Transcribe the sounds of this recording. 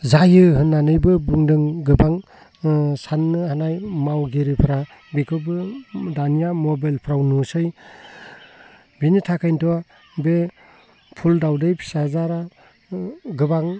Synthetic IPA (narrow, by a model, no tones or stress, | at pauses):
zajɯɦɯnːanɯjbɯbuŋdɯŋɡɯbaŋ | sanːɯhanajmawɡiɾipʰɯɾa | bikʰɯbɯdanijamɔbajlpʰɾawnusɯj | binitʰakʰajntʰuwa | be | pʰuldawdɯjpʰi̥sazaɾa | ɡɯbaŋ